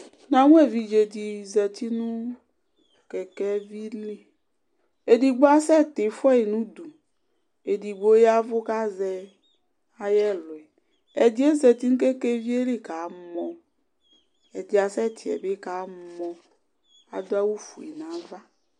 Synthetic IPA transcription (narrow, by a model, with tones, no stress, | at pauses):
nã˨ŋũ˦e˦˨vi˨d͡ʒe˨d̪i˨zɛ˨t̪i˦nũ˦ | kɛ˨kɛ˦vi˦li˦ | e˨di˨ɡ͡bo˦a˦sɛ˦˨t̪ɪ˨fɛ˦e˨nũ˦d̪u˨ | e˨di˨ɡ͡bo˦ja˦vʊ˦ka˦zɛ˨ | a˨jɛ˦lʊ˨ɛ˨ | ɛ˨d̪i˦e˦zɛ˨t̪i˦nũ˦ke˦ke˦vi˦e˦li˦ka˨˦mɔ̃˨ | ɛ˨d̪i˨a˨sɛ˦t̪ʰi˨ɛ̰˨be˦ka˨˦mɔ̃˨ | a̰˨d̪o˦a˦wu˦fu˨ḭ˨nã˨˦va˦